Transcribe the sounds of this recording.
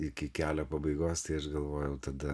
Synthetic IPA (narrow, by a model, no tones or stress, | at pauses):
ɪkʲɪkʲæːlʲoːpɐbɐɪɡoːst̪ɐɪɐʃɡɐlˠʋoːjɛʊt̪ɐd̪ɐ